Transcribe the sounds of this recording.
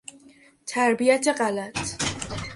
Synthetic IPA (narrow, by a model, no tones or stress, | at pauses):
t̪ʰaɾbijat̪ʰɛqʼalat̪ʰ